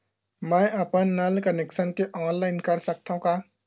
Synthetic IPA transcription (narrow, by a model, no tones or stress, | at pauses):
mɛ̃ːɐpənːɐlkənekʃənkeʔɔːnlaːɪnkɐɾsɐk̚t̪aɦũkaː